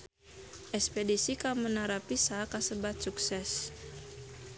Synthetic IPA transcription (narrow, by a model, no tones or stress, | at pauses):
ʔɛspedisikamənaɾapisakasəbat̪̚suksɛs